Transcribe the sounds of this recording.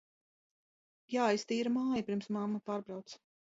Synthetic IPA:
jaːjst̪iːɾamaːjipʲɾiɾmsmamːapaːɾbɾawt̪s

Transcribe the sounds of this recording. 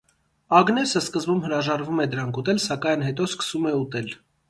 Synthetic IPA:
ɑɡnɛsəskəzbumɦəɾɑʒɑɾvumɛd̪əɾɑŋkʰut̪ɛlsɑkɑjnɦɛt̪ɔskə̥sumɛut̪ɛl

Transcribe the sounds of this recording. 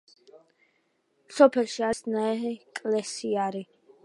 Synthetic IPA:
sɔpʰɛlʃiasnaɛɦɛkʼlɛsiaɾi

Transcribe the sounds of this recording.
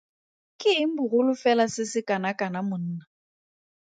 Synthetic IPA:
kʼɪŋ̩bʊrʊlʊfɛlasɪsɪkʼanakʼanamʊn̩ːna

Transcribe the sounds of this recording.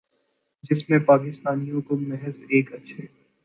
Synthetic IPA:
d͡ʒɪsmẽpaːkɪst̪aːnijõkomɛɦəzeːkɐtːʃʰe

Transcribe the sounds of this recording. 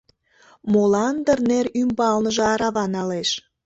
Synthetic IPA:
molɑnd̪ərnerymbɑlnəʒoɑɾɑβɑnɑleʃ

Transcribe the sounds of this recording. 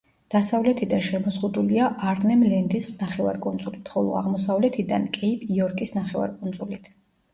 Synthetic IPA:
d̪̥asavlɛt̪ʰid̪anʃɛmɔzʁud̪uliaʔaɾnɛmlɛnd̪isnaχɛva̰ɾkʼund̪zʼulit̪ʰχɔlˠɔ̰a̰ʁmɔsavlɛt̪ʰid̪a̰nkʼipʼiɔɾkʼisnaχɛva̰ɾkʼund̪zulit̪ʰ

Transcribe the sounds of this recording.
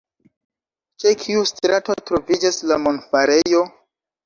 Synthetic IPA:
t͡ʃekʰiustɾato̞tɾo̞vid͡ʒaslamonfaɾe̞jo̞

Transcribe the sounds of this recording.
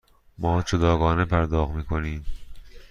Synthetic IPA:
mɒːd͡ʒod̪ɒːɡɒːnepʰæɾd̪ɒːɣmiːkʰo̞niːm

